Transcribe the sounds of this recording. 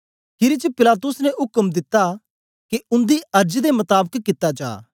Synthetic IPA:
kʰɪɾit͡ʃəpɪlaːt̪̬ʊsnɛɦʊkəmd̪ɪt̪ːa | keʊ̃nd̪iɐɾd͡ʒd̪emɐt̪aːbəkkːɪt̪ːad͡ʒa̰ː

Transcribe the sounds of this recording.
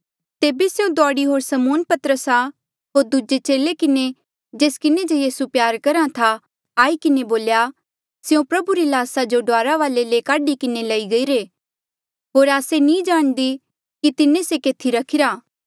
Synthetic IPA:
t̪eːbeseũd̪aːɽiɦoːɾsɐmoːnpɐt̪əɾəsa | ɦoːɾd̪ud͡ʒet͡ʃeːlekɪne | d͡ʒeːskɪned͡ʒojiːsupjaːɾkɐɾat̪ʰa | aːikɪneboːlja | sejũpɾɐbuɾilaːsad͡ʒoɖaːɾaʋaːlelekaːɖikɪnelɐiɡɐiɾeː | ɦoːɾaːsenĩd͡ʒaːɽ̃d̪i | kit̪ɪnesekeːt̪ʰiɾɐkʰɪɾaː

